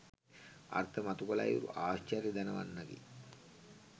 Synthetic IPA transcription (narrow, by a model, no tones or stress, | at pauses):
a̰rt̪ʰəmat̪ukolajṵɾṵʔaːɕt͡ʃaɾjid̪anəʋa̰nːaɡḭ